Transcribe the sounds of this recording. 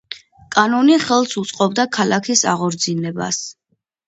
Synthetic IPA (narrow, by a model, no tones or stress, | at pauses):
kʼanɔniχɛlˠsut̪sʼqʼɔbd̪akʰalakʰisaʁɔɾd̪zinɛba̰s